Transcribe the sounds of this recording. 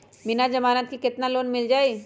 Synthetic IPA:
mɪnad͡ʒɐmaːnət̪kikɪt̪naloːnmɪld͡ʒaːe

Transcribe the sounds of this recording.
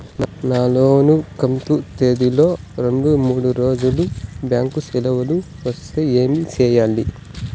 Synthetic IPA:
naːloːnukɐmt̪ut̪eːd̪ilo̞ː | ɾeɳɖumuːɽuɾo̞ːd͡ʒulubjaːŋkusilɐʋɐlu | ʋɐst̪eːeːmit͡ʃɛːjaːli

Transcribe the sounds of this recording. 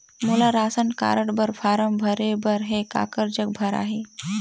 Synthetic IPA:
mulaɾaːsənka̰ːɾəɽbəɾfʰaːɾəmbʱəɾebəɾɦeka̰ːkəɾd͡ʒək̚bʱɐɾa̰ːɦe

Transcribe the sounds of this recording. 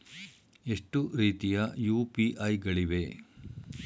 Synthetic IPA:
eʂʈuɾiːt̪ijɐjuːpiʔɐjɡɐɭiʋe̞

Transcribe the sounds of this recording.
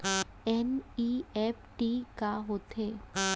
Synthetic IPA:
ɛniepʰʈikaɦoːt̪eː

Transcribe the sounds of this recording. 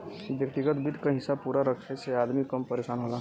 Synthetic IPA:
ʋjək̚t̪iɡət̪bɪd̪kaɦɪsabpuːɾaɾəkʰeseaːd̪mikɐmpəɾeːʃaːnɦoːla

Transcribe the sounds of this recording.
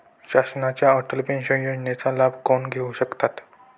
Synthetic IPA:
ɕasnat͡ɕjaəʈəlpinsə̃jjod͡ʑnet͡salabʱkonɡʱeuɕəkt̪at̪

